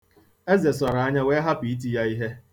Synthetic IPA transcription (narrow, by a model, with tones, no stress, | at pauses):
e˦ze˨s̬ɔ˨ɾa˨a˦ɲa˦we˦ɦa˦pi˨i˦t̬i˦ja˦i˦ɦe˦